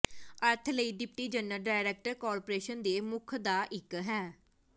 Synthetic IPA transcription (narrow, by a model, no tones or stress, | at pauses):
əɾt̪ʰləiːɖɪp̚ʈiːd͡ʒənːəlɖaːɪɾɛːk̚ʈəɾkɔːɾpoɾeːʃənd̪eːmʊkʰd̪aːʔɪkɦɛː